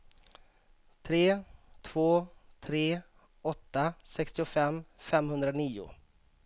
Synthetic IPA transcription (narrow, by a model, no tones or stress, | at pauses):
t̪ʰɾeːt̪ʰvoːt̪ʰɾeː | ɔt̪ːasɛkst̪ɪʊfɛmːfɛmhɵnd̪ɾaniːʊ̰